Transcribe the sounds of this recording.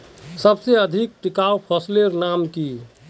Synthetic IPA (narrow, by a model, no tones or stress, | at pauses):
səbseəd̪ʱik̚ʈikaupʰəsleɾnamki